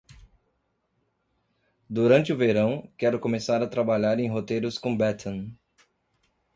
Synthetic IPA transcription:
d̪uɾɐ̃nt͡ʃɪʊveɾɐ̃w̃kɛɾʊkõmesaɾɐt̪ɾabaʎaɾẽj̃ɦot̪ejɾʊskõbɛt̪n

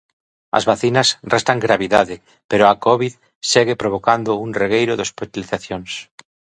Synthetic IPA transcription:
ɐ̰zβaθinɐsrɛst̪aŋɡɾaβ̞iðaðɪ | peɾoakoβið | seɣepɾoβ̞okand̪ouŋreɣ̞ejɾʊðospet̪aliθaθjoŋs

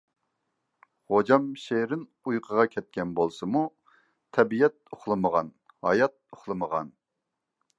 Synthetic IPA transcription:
hod͡ʒɑmʃeɾɪn | ujqʰəʁɑkʲʰɛt̪̚kʲɛnbolˠsɨmu | t̪ʰɛbijɛt̪̚ʊχlˠɨməʁɑn | hɑ̰jɑt̪̚oχlˠɨməʁɑ̰n

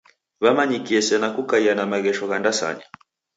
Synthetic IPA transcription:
βamaɲikiɛsɛnakukaianamaɣɛʃɔɣandasa̰ɲi

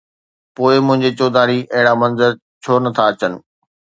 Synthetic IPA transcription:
poːɪmʊ̃ɦɪ̃ɲd͡ʑet͡ɕoːd̪aːɾiʔɐɦɪɽamɐ̃nzəɾ | t͡ɕʰoːnɐt̪ʰaɐt͡ɕənɪ̆

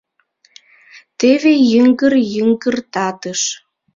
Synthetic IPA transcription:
t̪evejəŋɡərjəŋɡərt̪ɑt̪əʃ

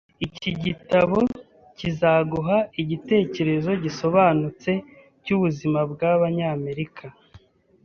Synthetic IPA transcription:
iciɟitaβo̞ | cizaɡuɦaiɟite̞ːce̞ɾe̞zo̞ɟiso̞βaːnut͡se̞ | cuβuzimabɡaβaɲaːme̞ɾikʰa

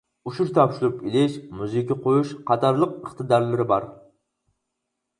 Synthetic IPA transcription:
uʃuɾt̪ʰɑpʃɪlupɪlɪʃmuzɪkʲːɪqʰojuʃqʰɑt̪ɑɾlˠəq̚əχt̪ɨd̪ɑɾlɪɾɪbɑɾ

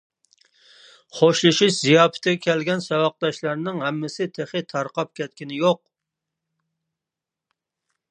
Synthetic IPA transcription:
χoʃlˠɨʃɪʃzijɑːpʰɪ̥t̪ʰɪkʲʰɛlɡʲɛnsɛwɑq̚d̪ɑʃlˠæɾnɪŋɦɛmːɪsɪt̪ʰeχɪt̪ʰɑɾqɑp̚kʲʰɛt̪̚kʲɪnɪjoq̚

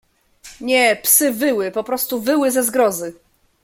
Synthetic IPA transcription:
ɲɛpsɘvɘwɘpɔpɾɔst̪uvɘwɘzɛzɡɾɔzɘ

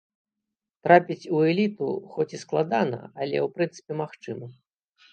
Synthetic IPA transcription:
t̪ɾapʲit͡sʲuɛlʲit̪ṵxɔt͡sʲisklˠad̪anɐ̰ɐlʲɛ̰wpɾɨnt̪sɨ̥pʲɛmaxt͡ʂɨmɐ

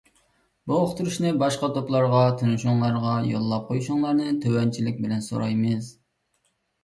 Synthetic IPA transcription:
buoχt̪ʰuɾuʃnɨbɑʃqɑt̪ʰoplˠɑɾʁɑt̪ʰynyʃuŋlˠɑɾʁɑjo̰lˠːɑp̚qʰojuʃuŋlˠɑɾnɨt̪ʰøwɛnt͡ʃʰilɪk̚ʲbɪlɛnso̰ɾɑjmɨz

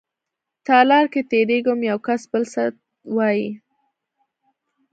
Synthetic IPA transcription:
t̪ɑlɑɾket̪eɾeɡəmjawkasbəlsa | wɑji

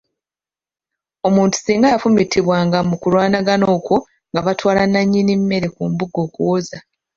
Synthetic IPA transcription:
o̞muːntu̥siːŋɡajafumitʰiβwaːŋɡamukulwaːnaɡano̞ːko | ŋɡaβatwaːlanːaɲːinimːe̞ɾe̞kumbuɡo̞ːkuwoza

